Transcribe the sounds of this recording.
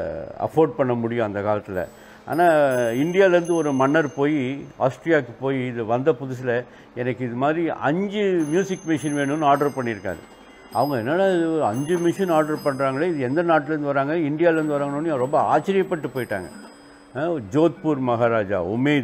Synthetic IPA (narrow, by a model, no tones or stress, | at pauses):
ɐ̰foːɾɖ̚pɐɳːɐmʊɽɪjʊ̃ɐnd̪ɐkaːlɐt̪ːɪlɐ̰ | a̰ːnaːɪɳɖɪjaːlɐɾɯnd̪ɯɔɾɯmɐɳːɐɾpoːjia̰ːsʈɾijaːkːɯpoːjiɪðɯʋɐnd̪ɐpʊðʊs̬ɪlɐ | ɛnɐkːɯɪðɯmaːd̪ɾiʔɐ̰ɲd͡ʒɯmjuːsɪkmɪʂɪnʋeːɳɯnːaːɾɖɐɾpɐɳːɪɾɯkːa̰ːðɯ̰ | ɐ̰ʋɐŋɡɐɛnːaːlaɪðɯɾɐɲd͡ʒɯmɪʂɐnaːɖɐɾpɐɳːɾaːŋɡɐɭɐɪðɯɛnd̪ɐnaːʈːɪlɛɾɯnd̪ɯʋɐɾaːŋɡɐɪɳɖɪjaːlɐɾɯnd̪ɯʋɐɾaːŋɐnoːnːɯɾɔmbɐa̰ːt͡ʃːɪɾɪjɐpːɐʈːɯpoːjɪʈːa̰ːŋɡɐ̰ | d͡ʒoːt̪̚puːɾmɐɣaːɾaːd͡ʒa̰ːʊmeːð